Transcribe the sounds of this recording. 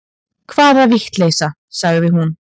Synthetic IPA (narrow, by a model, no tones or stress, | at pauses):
kʰvaːðaviht̪leːjsa | saɣððɪɦun